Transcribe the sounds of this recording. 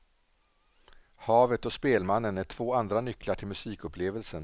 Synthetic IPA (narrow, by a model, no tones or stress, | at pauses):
hɑːvət̪ɔspeːlmanːənæʈʰv̥oːand̪ɾanʏklaʈʰɪlmɵsiːkɵpʰleːvəlsən